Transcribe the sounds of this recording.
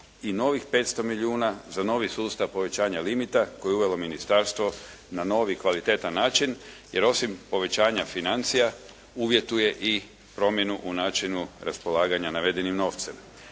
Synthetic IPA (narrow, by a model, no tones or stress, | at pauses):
ino̞ʋixpe̞ːt̪st̪o̞miʎiuːnazano̞ːʋisuːst̪aʋpo̞ʋe̞t͡ɕaːɲalimit̪ako̞jeuʋe̞lo̞minist̪aɾst̪ʋo̞ | nano̞ːʋikʋalit̪e̞ːt̪anːaːt͡ʃinje̞ɾo̞simpo̞ʋe̞t͡ɕaːɲafinant̪sija | uːʋje̞t̪ujeʔi | pɾo̞mje̞nuʔunaːt͡ʃinuɾʔa̰spo̞lˠaːɡaɲanaʋe̞d̪e̞nimno̞ːʋt̪sem